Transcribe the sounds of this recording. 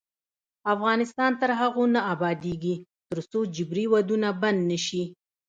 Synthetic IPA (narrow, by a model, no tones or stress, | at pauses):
afɣɑnɪst̪ɑnt̪əɾɦaɣonaabɑd̪eɡi | t̪əɾsod͡ʒɪbɾiwad̪unaband̪nəʃi